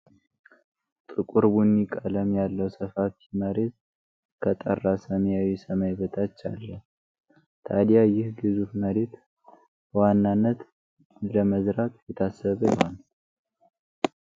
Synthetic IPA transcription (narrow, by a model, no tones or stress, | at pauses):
t̪ʼɨkʼuɾbunːikʼələmjalːəwsəfafiməɾe̞t̪ | kʰət̪ʼə̰rːasəməjawisəmajbət̪ʰat͡ʃːa̰lːəh | t̪ʰad̪jajɪhɡɨzufməɾe̞t̪ | wanːanːət̪ | ləməzɾakʼjɛt̪ʰasːəβəjɪho̰n